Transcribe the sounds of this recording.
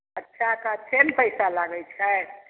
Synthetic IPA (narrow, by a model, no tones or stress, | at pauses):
ətːʃʰakat͡ʃʰenpəjsalaɡət͡ʃʰɛ